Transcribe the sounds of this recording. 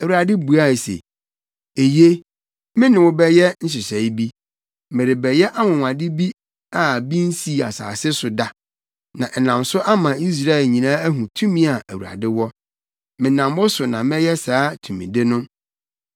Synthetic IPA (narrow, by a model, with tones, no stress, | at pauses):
æ˨wu˨ɾa˨dɪ˦bu˨a˦˨sḛ˨ | e˨ji˦e˦ | mɪ̃˦nɪ̃˨wʊ˦bɛ˦jɛ˦n̩˦s̬ɪ˨sɛ˨i˦bi˦ | mɪ̃˨ɾɪ˨bɛ˨jɛ˦ʔa˦mʊ̃˨ŋʷ˨ã˨dɪ˦bi˦ | a˦˨bi˦n̩˦si˦˨a̰˨sa̰ː˨sɪ˦sʊ˨da˨ | nã˨ʔɛ˨nã˨msʊ˦ʔa˦mã˨i˦s̬ɾa˦˨ɛ˨lɲĩ˨nãː˦æ˦ɦũ˨tʰũ˦mĩ˦a˨ʔæ˨wu˨a̰˨dɪ˦wɔ˦ | mɪ̃˨nã˨mwɔ˦sʊ˨nã˨mɛ̃˦jɛ˦saː˨˦tʰũ˨mĩ˨de˦nʊ̃˦